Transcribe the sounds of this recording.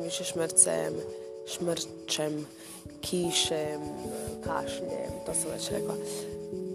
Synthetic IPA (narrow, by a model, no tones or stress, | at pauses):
ʋiʃɛʃməɾt̪sɛ̰m | ʃməɾ | t͡ʃɛm | kʰiːʃɛmkʰa̰ʃʎɛ̰mt̪oːsamʋɛ̰t͡ʃɾɛ̰kla̰